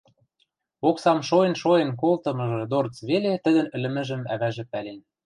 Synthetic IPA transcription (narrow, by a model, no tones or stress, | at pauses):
oksɑmʃojenʃoenk̬olt̪ɤ̆mɤ̆ʒɤ̆d̪ort͡sβelet̪ə̆d̪ə̆nɘ̆lɘ̆mɘ̆ʒə̆mæβæʒĕpælen